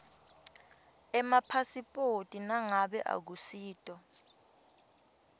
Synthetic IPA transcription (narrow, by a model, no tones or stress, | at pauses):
ɛmapʰasipʼotʼinaŋaɓɛʔa̰k̬usiːtʼɔ